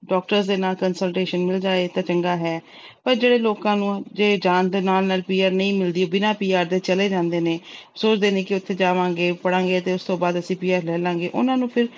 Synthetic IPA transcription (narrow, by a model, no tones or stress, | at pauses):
ɖɔːk̚ʈəɾsd̪eːnaːlkənsəlʈeːʃənmɪld͡ʒaːeːt̪ãːt͡ʃəŋɡaːɦɛː | pəɾd͡ʒeːɽeːloːkãːnũːaːd͡ʒeːd͡ʒaːnd̪eːnaːlnaːlpiːaːɾnəĩːmɪld̪iːoːbɪnãːpiːaːɾd̪eːt͡ʃəleːd͡ʒãːnd̪eːneːsoːt͡ʃd̪eːnẽːkɪʊt̪ʰːeːd͡ʒaːʋãːŋɡeːpəɽãːŋ̆ɡeːt̪eːʊst̪õːbaːd̪əsĩːpiːaːɾlɛːlãːŋɡeːʔʊ̰nãːnũːpʰɪɾ